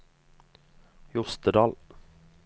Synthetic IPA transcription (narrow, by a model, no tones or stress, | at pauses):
jʊst̪əd̪ɑːl